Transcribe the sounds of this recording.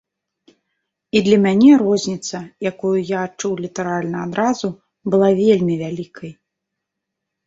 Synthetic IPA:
id̪lʲɐmʲanʲɛɾɔzʲnʲit̪sɐjakujujaːt͡ʂuwlʲit̪ɛɾalʲnɐad̪ɾazu | bɨlˠavʲelʲmʲivʲalʲikʰɐj

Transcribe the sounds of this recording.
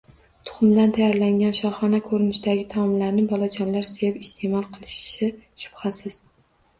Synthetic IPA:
t̪ʰʊ̥χʊmd̪ant̪ʰajaɾlaŋɡʲanʃɒχɒnakʰɵɾnɪʃd̪aɡʲɪt̪ʰɒmlaɾnɪbɒlˠat͡ʃʰɒnlaɾsejɪpɪst̪ʰe̞mɒlˠqʰɨlˠɪʃʃɪʃʊ̥b̥hasɪz̥

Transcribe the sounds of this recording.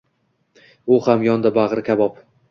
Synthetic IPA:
ʊhamjɒnd̪abaʁɾɪkʲabɒp

